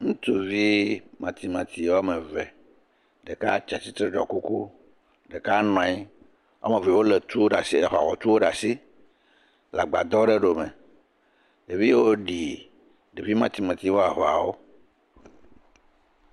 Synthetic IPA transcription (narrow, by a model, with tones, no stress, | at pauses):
ŋũ˦t̪u˨vi˦mã˨t̪i˨mã˨t̪i˨wa˦me˨vɛ˨ | ɖe˨ka˦t͡ʃa˨t̪i˦t̪ɾe˦ɖɔ̰˨ku˦ku˦ | ɖe˨ka˦nɔ̃˨i˦ | wʔa̰˦me˨vɛ˨wo˦le˨t̪u˦o˦ɖa˨si˦˨ɦa̰˨ɦɔ˨t̪u˦wo˦ɖa˨si˦ | la˨ɡ͡ba˨d̪ɔ˦ɖe˦ɖo˨me˨ | e˨vi˦wo˦ɖi˨ | ɖe˨vi˦mã˨t̪i˨mã˨t̪i˨wo˦a˨ɦɔ˨a˨wo˦